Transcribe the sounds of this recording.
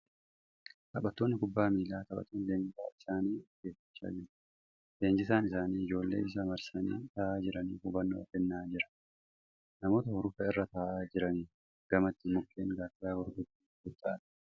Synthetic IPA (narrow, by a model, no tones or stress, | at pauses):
t̪ɐɓɐt̪ːo̞ːnːɪkʊbːaːmiːlaːt̪ɐɓʼɐ̰t̪ːoːnleːɲd͡ʒɪɡaːɪsaːniːɡeːfɪ̥t͡ʃːa̰ːd͡ʒɪɾɐ̥ | le̞ːɲd͡ʒɪs̬aːnɪsaːniːɪd͡ʒo̞ːlːḛːɪs̬ɐmɐɾsɐnḭːt̪ɐːʔaːd͡ʒɪɾɐniːfʊbɐnːoːɐfɛnːaːd͡ʒɪɾɐ̥ | nɐmo̞ːt̪ɐhɔɾʊfɐɪrːɐt̪aːʔaːd͡ʒɪɾɐniː | ɡ̥ɐmɐt̪ːɪmʊkːeːŋɡaːtɪjaːɡɔɾɡ̪ʊt̪ːi | ɡʊt̪ːaːᶑɐ̥